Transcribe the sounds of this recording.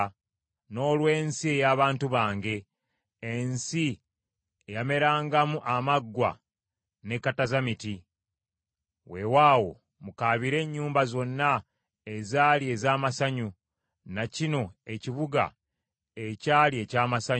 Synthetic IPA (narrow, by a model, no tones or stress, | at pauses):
no̞ːlwe̞ːnsie̞jaːβaːntuβaːŋɡe̞ː | nsi | ejame̞ɾaːŋɡamuʔamaɡːwa̰ | ne̞kːatazamiti | we̞waːwo̞̰ | mukaːβiɾe̞ɲːuːmbazo̞nːa | ezaːlie̞ːzaːmasaɲu | nacino̞e̞ciβuɡa̰ | e̞caːlie̞caːmasaɲ